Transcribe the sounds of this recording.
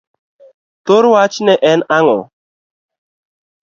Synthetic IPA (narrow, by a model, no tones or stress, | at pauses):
t̪oɾwat͡ʃnɛʔɛnaŋɔ̰